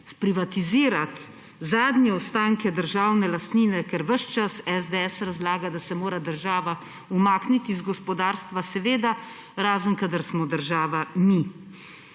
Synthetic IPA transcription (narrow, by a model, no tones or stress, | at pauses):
spɾiʋat̪iziːɾat̪ | zaːd̪njɛɔst̪aːŋkɛd̪əɾʒaːwnɛlast̪niːnɛkɛɾʋəʃt͡ʃasɛzd̪eɛsɾazlaːɡad̪asɛmoːɾad̪əɾʒaːʋa | umaːknit̪izɡɔspɔd̪aːɾst̪ʋasɛʋeːd̪a | ɾaːzənkad̪aɾsmɔd̪əɾʒaːʋami